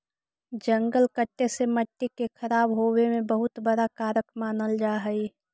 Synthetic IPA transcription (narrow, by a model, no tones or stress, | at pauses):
d͡ʒə̃ŋɡəlkəʈːeseməʈːikekʰəɾaːbɦoːwemẽbəɦʊt̪bəɽakaːɾəkmaːnəld͡ʒaːɦəi